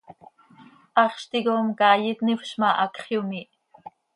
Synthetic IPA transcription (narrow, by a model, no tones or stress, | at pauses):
ʔɑχʃt̪iɡomkɑːjit̪nifʃmɑʔɑkχjumiʔ